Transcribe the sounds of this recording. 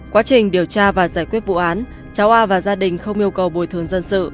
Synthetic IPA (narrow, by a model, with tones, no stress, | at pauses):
kwaː˨˦t͡ɕï˨˩ŋ̟ɗi˨˩əwt͡ɕaː˧vaː˨˩zaː˧˩jkwi˦˥ət̚vṵ˧˨ʔaː˨˦n | t͡ɕaː˨˦wʔaː˧vaː˨˩zaː˧ɗï˨˩ŋ̟xə˧wŋ͡mʔi˧əwkə˨˩wɓo˨˩jt̪ʰɨ˨˩əŋzə˧nsɨ̰˧˨